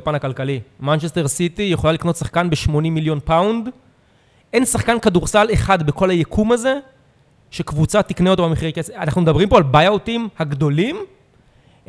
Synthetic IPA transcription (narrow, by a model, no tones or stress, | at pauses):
panakalkalimant͡ʃest̪e̞ʁsit̪ijeχo̞lalikno̞t̪saχkanbeʃmo̞nĩmːiljo̞npawnd | ʔe̞nsaχkankaduʁsaleχad̪beko̞lajekʰumaze̞ | ʃe̞kvut͡sat̪ikneot̪obameχikeseanaχnumed̪abʁimpo̞albajaotimhaɡdo̞lim